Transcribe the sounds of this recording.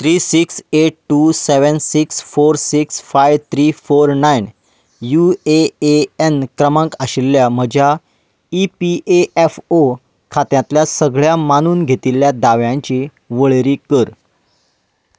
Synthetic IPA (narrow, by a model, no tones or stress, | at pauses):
t̪ɾiːsikseʈ̚ʈuseʋənsiksfoɾsiksfajʋt̪ʰɾifoɾnajn | jueeenkɾəmə̃ŋkəɕilːjam̤əd͡ʑʱja | ipiʔeʔefo | kʰat̪jãt̪ljasəɡɭjamañuːnɡʱet̪iljad̪aʋjãɲt͡ɕi | ʋəɭeɾiːkəɾ